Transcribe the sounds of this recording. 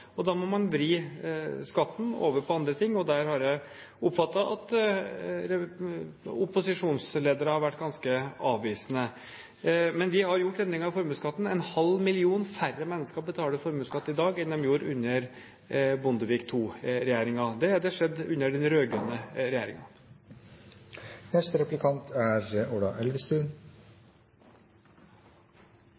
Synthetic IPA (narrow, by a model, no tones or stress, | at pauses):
ɔd̪ɑmɔmɑnʋɾiːskɑt̪ːn̩o̰ːʋəɾpʰɔɑnd̪ɾət̪ʰɪŋːɔd̪æɾhɑɾjæɪ | ʊpfɑt̪ːɑʔɑt̪ | ɾɛ | ʊpːʊsɪʂuːnsleːd̪əɾəhɑɾʋæʈːɡɑnskəɑːʋʋiːsənə | mɛnʋɪhɑɾjʊʈːɛnd̪ɾɪŋɑfɔɾmʉːskɑt̪ːn̩ɛnhɑlmɪlɪuːnfærːəmɛnːəskəɾɔbət̪ʰɑːləfɔɾmʉːskɑt̪ːɪd̪ɑːɡɪnːɔmjuːɾʉ̰nːəɾ | bʊnd̪əʋiːkt̪ʰuːɾɛjæːɾɪŋɑd̪ɛd̪ɛʂɛd̪ːʉnːəɖɛnɾøːɡɾœnːəɾɛjæːɾɪ̰ŋɑ̰ | nɛst̪əɾɛplɪkʰɑnt̪ʰæɾoːɖɑʔɛlʋɪst̪ʉn